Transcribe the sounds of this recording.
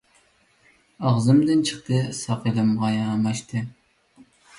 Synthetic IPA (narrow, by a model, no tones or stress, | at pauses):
ɑʁzɨmd̪ɨnt͡ʃʰə̥qt̪ʰɨsɑqilˠɨmʁɑjɑːmɑʃt̪ʰɨ